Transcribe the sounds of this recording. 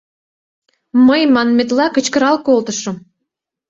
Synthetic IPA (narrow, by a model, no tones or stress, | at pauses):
məjmɑnmĕt̪lɑkə̆t͡ɕkə̆ɾɑlkolt̪ə̆ʃŏm